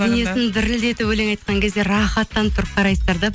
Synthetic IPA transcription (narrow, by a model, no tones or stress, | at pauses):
enesɪnd̪ɪɾɪld̪e̞t̪ɪpwɵleŋɑjt̪̚qɑŋkʲʰe̞zd̪e̞ɾɑχɑt̪ːɑnt̪ʰʊɾəp̚qʰɑɾɑjsəzd̪ɑɾd̪ɑ